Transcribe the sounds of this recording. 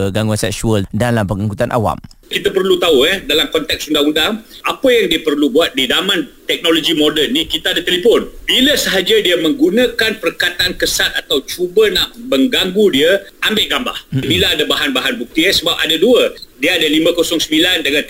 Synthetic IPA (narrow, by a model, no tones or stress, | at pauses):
ɡaŋɡuansɛksuəldalampəŋaŋkut̪anʔa̰wa̰m | kit̪apərlut̪auɛdalamkɔnt̪ɛksundaŋundaŋapəjaŋdiəpərlubuat̪̚didamãnt̪ɛk̚nolod͡ʒimodənːikit̪aadat̪elipɔnbiləsəɦad͡ʒadiəmə̃ŋɡunə̃kanpərkat̪ankəsat̪̚at̪awt͡ʃubənaʔbəŋɡaŋɡudiəambɪʔɡamba̰hbilaadabaɦanbaɦanbuk̚t̪iəsəbap̚adaduədiəadalimə̃kosɔŋsəbilandəŋãn